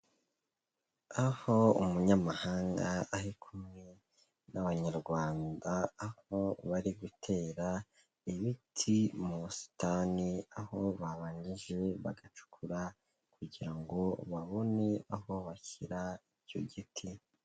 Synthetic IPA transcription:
aho̞umuɲamahaːŋɡaːhikʰumŋe̞ | naβaɲaɾɡwaːndaːhoβaɾiɡutʰe̞ːɾa | iβitʰimusi̥taniaho̞βaβaːɲɟiʒe̞βa̰ɡat͡ʃu̥kʰuɾa | kuɟiɾaŋɡo̞βaβo̞ne̞aho̞βaçiɾaiɟo̰ɟitʰi

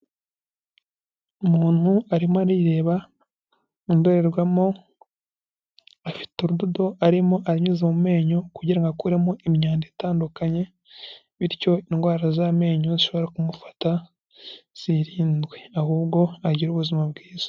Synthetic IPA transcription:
umuːn̥huaɾimoaɾiɾe̞ːβa | indoɾe̞ɾɡwamo̞ | afi̥tuɾududo̞ʔaɾimo̞ʔaɾimɲuzemuume̞ːɲo̞kuɟiɾaŋɡakuɾemo̞ʔimɲaːndetaːndukaɲe̞ | βiɾco̞inɡwaːɾazame̞ːɲoziʃo̞βo̞ɾakumufḁta | z̥iɾiːndɡwe̞ahuːbɡo̞aɟiɾuβuzimabɡiːz̥ḁ

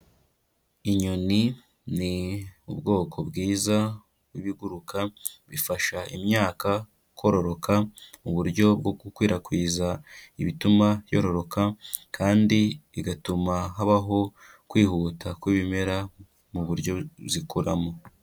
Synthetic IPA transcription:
iɲoni | niubɡo̞ːkʰo̞bɡiːza | wiβiɡuɾukaβifaʃaimɲaːka | ko̞ɾo̞ɾo̞kamuβuɾɟo̞b̚ɡoɡukwiːɾakwiːzaiβitumajo̰ɾo̞ɾo̞kakʰaːndiiɡatumaɦaβaɦo̞ | kwiːhutʰakwiβime̞ɾa | muβuɾjo̞zikuɾamo

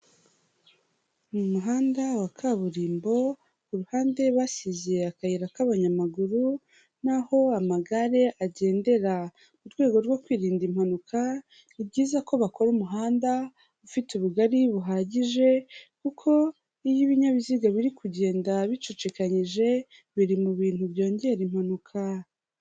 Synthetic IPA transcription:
umuɦaːndawakʰaβuɾiːmbo̞ | kuɾuhaːnde̞βasizeakajiɾakaβaɲamaɡuɾu | naho̞amaɡaɾe̞ʔaɟe̞ːnde̞ɾa | muɾɡwe̞ːɡo̞ɾɡo̞kwiːɾiːndim̥hanukʰa | ibɟiːzako̞βako̞ɾumuɦaːnda | βufituβuɡaɾiβuɦaːɟiʒe̞kukʰo̞ | ijiβiɲaβiziɡaβiɾikʰuɟe̞ːndaβit͡ʃot͡ʃekaɲiʒe̞ | βiɾimuβiːn̥huβjo̞ːɲɟe̞ɾimhanukʰa

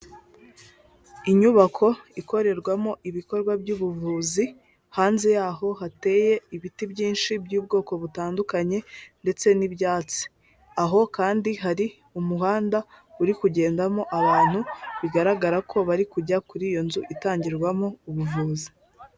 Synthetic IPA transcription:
iɲuβakʰo̞iko̞ɾe̞ɾɡwamo̞ʔiβiko̞ɾɡwabɟuːβuvuːzi | haːnzejaːho̞ɦate̞ːje̞iβitibɟiːnʃibjuːbɡo̞ːko̞βutaːndukaɲe̞nde̞t͡se̞nibjaːt͡si̥ | aɦo̞kaːndiɦaɾi | umuɦaːnda | uɾikuɟe̞ːndamo̞ʔaβaːn̥huβiɡaɾaɡaɾakʰo̞βaɾikuɟakuɾiːjo̞nzuʔitaːɲɟiɾɡwamo̞uβuvuːzi

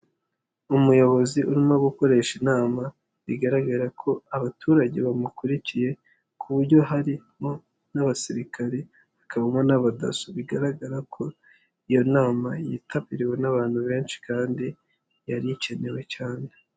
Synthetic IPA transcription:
umujo̞βo̞ziuɾimoɡuko̞ɾe̞ʃinaːma | βiɡaɾaɡaɾakʰo̞aβatuːɾaɟe̞βamukuɾicije̞ | kʰuβuɾɟo̞ɦaɾimo̞ | naβasiɾikʰaɾe | βakʰaβomonaβada̰suβiɡaɾaɡaɾakʰo̞ | ijo̞naːmajitʰapiɾiwe̞naβaːn̥huβe̞ːnʃi̥kaːndi | jaɾiice̞ne̞we̞caːne

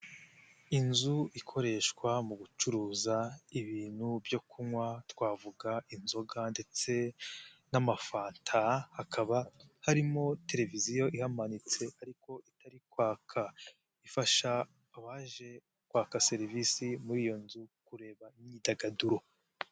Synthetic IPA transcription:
inzuikʰo̞ɾe̞ːʃkwamuɡut͡ʃuɾuːzaiβiːn̥hubjo̞kʰumwatkwaːvuɡainzo̞ɡande̞t͡se̞namafaːntʰahakʰaβahaɾimo̞te̞ɾe̞vizijo̞ʔihamanit͡se̞aɾiko̞ʔitaɾikwaːkʰa | ifaʃaː | βaʒe̞ | kwaːkase̞ɾivisimuɾiːjo̞nzukuɾe̞ːβaiɲɲidaɡaduɾo

